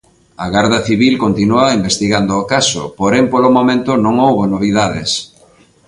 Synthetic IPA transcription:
ɐɣaɾðɐθiβilkont̪inuɐimbest̪iɣand̪ʊːkaso̰poɾɛmpolomomẽnt̪ʊnõŋowβonoβ̞iðaðɪs

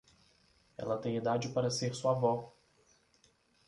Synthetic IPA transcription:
ɛ̰lɐt̪ẽj̃id̪ad͡ʒɪpaɾɐseɾsuavɔ

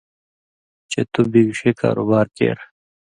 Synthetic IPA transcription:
t͡ɕet̪ubiːɡʂeːka̰ːɾo̰baːɾkḛːɾ

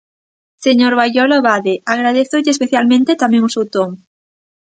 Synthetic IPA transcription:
seɲoɾβajʎoloβaðeaɣɾað̞eθoʎespeθjalmẽnt̪et̪amẽŋusut̪oŋ

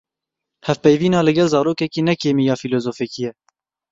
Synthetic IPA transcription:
hɛvpɛjviːnɑːlɨɡɛlzɑːɾoːkɛkiːnɛkeːmijɑːfiloːzoːfɛkijɛ

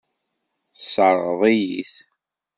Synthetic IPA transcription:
θsəɾˤəðˤijiθ

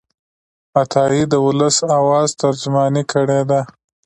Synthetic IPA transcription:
at̪ʰɑjid̪əwʊləsawɑːzt̪aɾd͡ʒmɑnikʰəɽed̪a

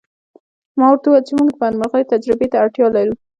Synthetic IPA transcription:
mɑwɾt̪uwat͡ʃemuɡd̪əbanməɣəjt̪ad͡ʒɾɪbet̪aːʈjɑlaɾu

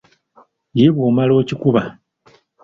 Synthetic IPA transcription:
jiβoːmalo̞ːcikuβa

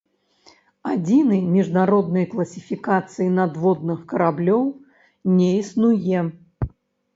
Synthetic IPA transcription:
ad͡zʲinɨjmʲiʐnaɾɔd̪̚nɨjklˠɐsʲi̥fʲikat̪sɨjinad̪vɔd̪nɨxkɐɾablʲɔw | nʲɛisnujɛ

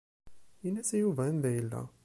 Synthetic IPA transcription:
inːæsæjuvænðæjəlːæ̰

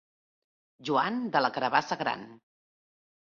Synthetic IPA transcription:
ʒuand̪ələkəɾəβasəɣɾa̰n

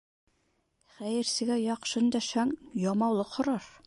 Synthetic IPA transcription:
χæjɘ̆ɾsɘ̆ɡæjɑqʃɤnd̪æʃæŋjɒmɑwlˠɤqhŏɾɑɾ

